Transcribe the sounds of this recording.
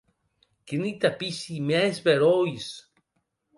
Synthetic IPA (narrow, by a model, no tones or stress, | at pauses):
kinit̪apisimɛsbeɾois